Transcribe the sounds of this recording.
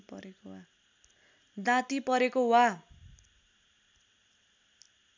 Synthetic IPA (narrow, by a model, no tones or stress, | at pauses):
pʌ̰ɾekowa | d̪ãt̪ipʌɾekoɦwa